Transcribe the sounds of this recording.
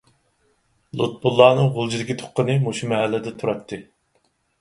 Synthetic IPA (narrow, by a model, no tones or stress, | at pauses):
lˠut̪̚bulˠːɑːnɨŋʁolˠd͡ʒid̪ɪkʲit̪ʰo̥qʰːənɨmoʃumɛɦælːɪd̪ɛt̪ʰuɾɑt̪ʰːɨ